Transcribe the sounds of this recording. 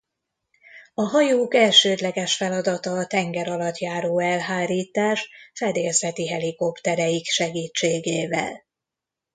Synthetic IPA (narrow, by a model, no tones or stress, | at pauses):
ɒɦɒjoːkɛlʃøːd̪lɛɡɛʃfɛlɒd̪ɒt̪ɒt̪ɛŋɡɛɾɒlɒt̪jaːɾoːɛlɦaːɾiːt̪aːʃfɛd̪eːlsɛt̪iɦɛliko̞pt̪ɛɾɛjikʃɛɡiːt͡ʃːeːɡeːvɛ̰l